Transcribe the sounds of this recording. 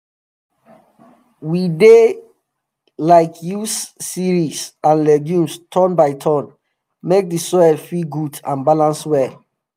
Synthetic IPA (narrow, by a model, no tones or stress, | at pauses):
wide | laɪkʰjusːiɹisãnlɛɡjũmstʰɔ̃nbaɪtʰɔ̃n | mek̚disɔɛlfiɡudã̰nbalãnswɛl